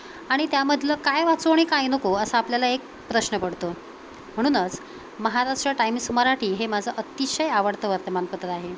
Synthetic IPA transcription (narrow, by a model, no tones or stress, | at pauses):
aɽ̃it̪jaməd̪ʱləkajʋat͡soɽ̃ikajnəkoəsəapljalaek̚ | pɾəɕnəpəɽ̤t̪o | m̤əɽ̃uːnət͡s | məɦaɾaʂʈɾəʈajmsəməɾaʈʰiːɦemad͡zʱəʔət̪iɕəjaʋəɽt̪əʋəɾt̪əmanpəd̪ʱət̪aɦe